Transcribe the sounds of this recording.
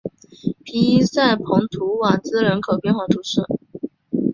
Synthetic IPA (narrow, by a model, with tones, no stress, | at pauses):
pʰi˧˥i˥sa˥˩ɪpʰʊ˧˥ŋt̪ʰu˧˥wa˨˩t͡sɹ̩˥ɻə˧˥nkʰɤ˨˩pjɛ˥˧nxwa˥˩ʈ͡ʂ̪ʰu˨˩ʂɻ̩˥˩